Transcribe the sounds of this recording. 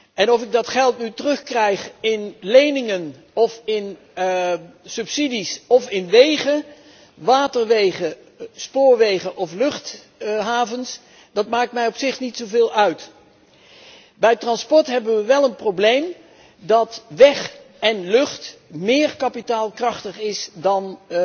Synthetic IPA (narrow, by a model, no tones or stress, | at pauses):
ɛnɔfɪɡ̚dɑtχɛlˠtnytərɵχkrɛjχɪnlejnɪŋən | ɔfɪn | sɵpsidisɔfɪnʋejχə | ʋaːtəɹʋejχə | spʊːɹʋejχəʔɔflɵχt | ɦaːvəns | d̥ɑtmaːk̚tmɛjɔpsɪχnitsowvɪːlˠœɥt | bɛjtrɑnspɔɹtɦɛbənʋəʋɛlˠənprowblejm | dɑtʋɛχ | ɛnlɵχtmɪːɹkɑpitaːlˠkrɑχtəχɪsdɑn